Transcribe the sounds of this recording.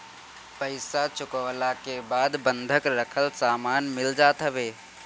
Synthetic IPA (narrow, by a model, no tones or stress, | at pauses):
pəɪsat͡ʃʊkəʋlakebaːd̪bənd̪ʱəkɾəkʰəlsaːmaːnmɪld͡ʒaːt̪ɦəbeː